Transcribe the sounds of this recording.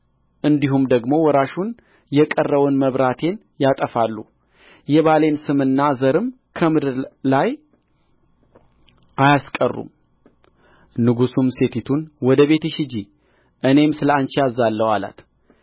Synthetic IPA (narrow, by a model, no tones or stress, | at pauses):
ʔɨnd̪iɦumd̪əɡmo̞wɔɾaʃun | jɛkʼərːəwɨnməβɾat̪ʰe̞n | jat̪ʼəfalːu | jɛβale̞nsɨmɨnːazəɾɨm | kʰəmɨd̪laj | ʔajaskʼərːṵm | nɨɡusumse̞t̪ʰit̪ʰunwɔd̪əβe̞t̪ɨʃɪd͡ʒi | ʔɨne̞msɨləant͡ʃiazalːəwa̰la̰t̪